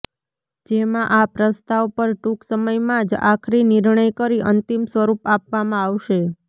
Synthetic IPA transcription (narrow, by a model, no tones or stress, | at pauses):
d͡ʒemãʔapɾəst̪aʋpəɾʈuksəməjmãd͡ʒa̰kʰɾinɪɾɳəjkəɾiʔənt̪imsʋəɾupapʋamãaʋʃe